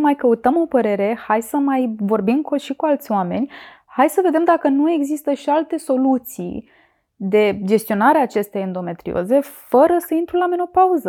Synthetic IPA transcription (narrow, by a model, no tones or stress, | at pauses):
majkəut̪əmo̞pəɾe̞ɾe̞hajsəmajvo̞rbimkoʃikualt̪sʲoame̞̰nʲhajsəve̞d̪e̞md̪akənue̞ɡzist̪əʃialt̪e̞so̞lut̪sḭ | d̪e̞d͡ʒe̞st̪io̞naɾeaːt͡ʃe̞st̪eajend̪o̞me̞t̪ɾḭo̞̰ze̞fəɾəsəint̪ɾulameno̞pauzə